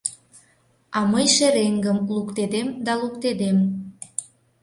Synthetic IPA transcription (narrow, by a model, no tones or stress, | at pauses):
ɑməjʃeɾeŋɡəmlukt̪ed̪emd̪ɑlukt̪ed̪em